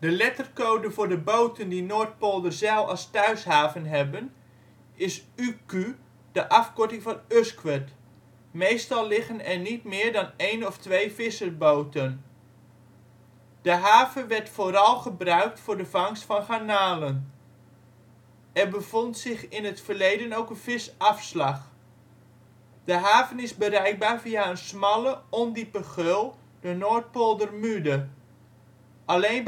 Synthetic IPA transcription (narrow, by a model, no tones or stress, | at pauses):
d̥əlɛtərkowdəvʊːɹdəbowtəndinoːɹt̚poːlˠdərzɛlˠɑ̰lˠstœɥsɦaːvənɦɛbən | ɪsyky | d̥əʔɑfkɔɹtɪŋvɑnøskʋət | mejstɑlˠlɪχənɛɹnitmɪːɹdɑnejnɔftʋejvɪsərbowtən | d̥əɦaːvənʋɛrtfoːɾɑlˠχəbrœɥk̚tfʊːɹdəvɑŋstfɑnχanaːlən | ɛrbəv̥ɔntsɪχɪnətfərlejdənowkənvɪsɑfslɑχ | d̥əɦaːvənɪzbəɾɛjk̚baːrviaənsmɑləɔndipəχølˠ | dənoːɹt̚polˠdərmydə | ʔalejn